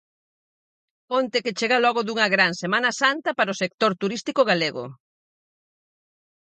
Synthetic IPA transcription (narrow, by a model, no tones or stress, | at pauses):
kont̪eket͡ʃeɣɐlɔɣ̞ʊðuŋɐɣɾaŋsemanɐsant̪ɐpaɾosek̚t̪oɾt̪uɾist̪ikoɣaleɣʊ̰